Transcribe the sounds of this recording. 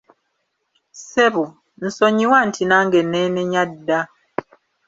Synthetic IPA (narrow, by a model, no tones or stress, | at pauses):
sɛbu | n̩sɔɲiwan̩tʰinaŋɡɛnɛnɛɲatda